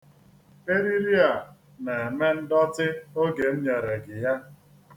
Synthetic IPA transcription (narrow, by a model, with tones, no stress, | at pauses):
e˦ɾi˦ɾi˦a˨ | na˨e˨me˦n̩˦dɔ˦tɪ˦o˦ɡe˨m̩˦ɲe˨ɾe˨ɡɪ˨ja˦